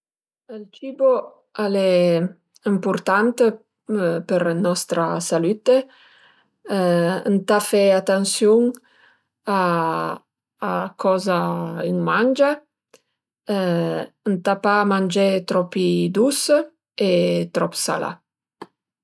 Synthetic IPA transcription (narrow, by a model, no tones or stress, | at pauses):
əlt͡ʃibo | alɛ | əmpuɾt̪ant̪ə | pəɾnɔst̪ɾasalyt̪ə | ə̰nt̪afɛat̪ansjuŋ | a | kʰɔzaiŋmand͡ʒa | ənt̪apamand͡ʒet̪ɾɔpid̪us | et̪ɾɔpsa̰la̰